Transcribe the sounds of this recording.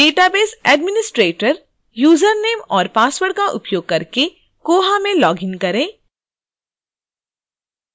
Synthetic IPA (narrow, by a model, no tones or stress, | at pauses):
ɖeːʈabeːsɛːɖmɪnɪsʈɾeːʈəɾ | juːzəɾneːmɔːɾpaːswəɽkaʔʊ̰pjoːɡ̚kɐɾke | koːɦamẽlɔːɡɪ̃ŋkɐɾẽː